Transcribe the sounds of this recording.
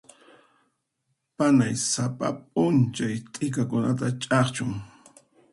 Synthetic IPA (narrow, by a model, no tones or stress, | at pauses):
panajsapa̰p̚ʼʊnt͡ʃajt̪ʼɪkakʊnat̪at͡ʃʼɑχt͡ʃʊŋ